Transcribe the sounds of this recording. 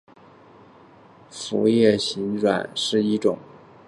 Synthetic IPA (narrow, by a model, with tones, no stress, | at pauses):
fu˧˥jɛ˥˩ɕi˧˥nʈ͡ʂwa̰˨˩˦nʂɻ̩˥˩i˥ʈ͡ʂʊ̰˨˩˦ŋ